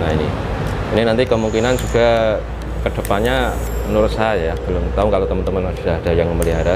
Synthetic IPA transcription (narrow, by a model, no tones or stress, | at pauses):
nainḭ | ininant̪ikəmuŋkinand͡ʒuɡa | kəd̥a̤paɲa | mənuɾʊt̪̚saajab̥əlʊmt̪aʊŋkalot̪əmənt̪əmanmasdaad̥a̤jaŋməməliɦaɾa